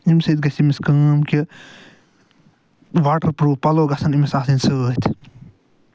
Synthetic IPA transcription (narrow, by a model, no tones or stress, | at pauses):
imʲsɨt̪̚ɡɐsimiskɐːmki | ʋaːʈɐɾpɾuːpɐloːɡɐsɐnimisaːsinsət̪ʲʰ